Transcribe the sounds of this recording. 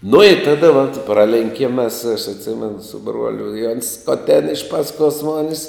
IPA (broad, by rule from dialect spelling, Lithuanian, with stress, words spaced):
nʊ ɪ ˈtɑːdɐ ʋɐt ˈprɑːlʲɛŋʲkʲiɛm mʲɛs ɐʃ ɐtʲˈsʲɪmʲɛnʊ sʊ ˈbruɔlʲʊ ɪ ˈoːns ˈskoːt tʲeːn ɪʃ ˈpɑːsˌkoːs ˈmoːnʲɪs